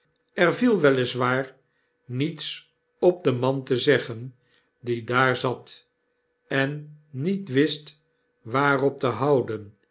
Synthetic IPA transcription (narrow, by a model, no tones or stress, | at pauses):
ɛrvilˠʋɛlɪsʋaːɹ | nits | ɔp̚dəmɑntəzɛχən | didaːɹzɑt | ɛnːitʋɪst | ʋaːrɔp̚təɦɑwdən